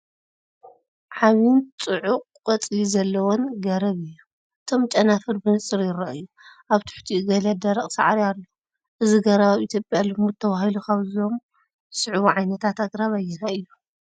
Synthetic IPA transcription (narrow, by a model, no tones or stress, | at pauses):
ʕaβint͡sʼɨʕuqʼkʼɐt͡sʼizɐlːɐwɔnɡɐɾɐβɨjːu | ʔɨt̪ʰo̞mt͡ʃʼɐnafɨɾbɨnsʼɨɾjɪɾɐʔɨjːu | ʔaβt̪ʰɨ̥ħt̪ʰiɡɐlɐd̪ɐɾɐχʼsa̰ʕaɾialːo | ʔɨziɡɐɾɐβaβit̪ʰjopʼjalɨmut̪ʰɐβahilukaβzo̞m | sɨʕβuʕajnɐt̪ʰat̪aɡɾaβajːɛnaɨjːu